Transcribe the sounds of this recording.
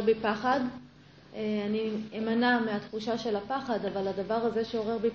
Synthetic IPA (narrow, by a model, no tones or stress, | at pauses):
bipaχad | eaniemanameat̪χuʃaʃe̞lapaχadavaladavaʁaze̞ʃeo̞ʁe̞ʁbi